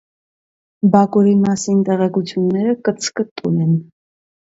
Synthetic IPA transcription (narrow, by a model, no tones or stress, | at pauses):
bɑkuɾimɑsint̪ɛʁɛkut͡sʰjunːɛɾəkət͡sʰkət̪ʼːumɛn